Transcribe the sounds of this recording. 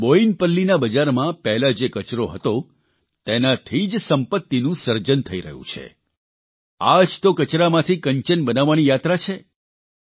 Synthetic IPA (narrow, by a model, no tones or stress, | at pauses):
boinpəlːinabəd͡ʒaɾmãpɛɦlad͡ʒekət͡ʃɾoɦə̰t̪o | t̪enat̪ʰid͡ʒsəmpət̪ːinũsəɾd͡ʒənt̪ʰəiɾə̰ɦṵ̃t͡ʃʰḛ | ad͡ʒt̪okət͡ʃɾamãt̪ʰikəɲt͡ʃənbənaʋːanijat̪ɾat͡ʃʰe